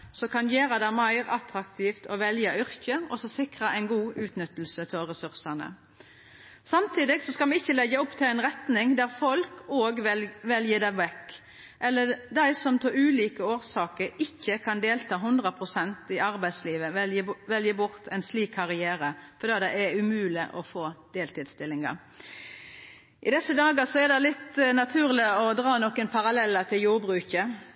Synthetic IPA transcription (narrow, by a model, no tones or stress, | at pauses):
sɔkʰɑnjeːɾɑd̪æɪmæɪɾɑt̪ɾɑkt̪ʰiːft̪ʰɔʋɛljɑʏɾkəɔsɔsɪkʁɑʔæɪnɡuːʔʉːt̪nʏt̪ːəl̩sət̪ʰɪlʁɛsʉɾsɑnə̰ | sɑmt̪ʰiːd̪ɪɡsɔskɑmʋɛɪçːəlɛɡːəɔpːt̪ʰɪlæɪnʁɛt̪nɪŋd̪æʁfɔlkoːɡʋɛljəd̪æʋɛk | ʔɛlːəd̪æɪsɔmt̪ʰoʉːliːkəoːɾsɑːkəɾɪçːəkʰɑnd̪eːlt̪ʰɑːɦʉnd̪ʁəpʰʁʊsɛnt̪ɪɑɾbæɪsliːʋəʋɛljəbʊɾt̪ʰæɪnsliːkʰːɑʁɪæːɾəfɔɾd̪ɑːd̪ɛɪɛʉmʉːlɪʔɔ̰foːd̪̥eːlt̪ɪːd̪st̪ɪlːɪŋɑ̰ | ʔɪd̪ɛsəd̪ɑːɡəsɔæd̪ɛlɪt̪nɑt̪ʰʉːʁlɪɔd̪ɾɑːnɔkːənpʰɑʁɑlɛlːət̪ʰɪljuːɾbʁʉːkə